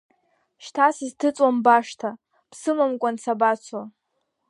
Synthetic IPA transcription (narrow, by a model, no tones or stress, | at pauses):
ʃtʰasiztʰɨt͡sʼwambaʂtʰa | psɨmamkʷʼant͡sʰabat͡sʷʰa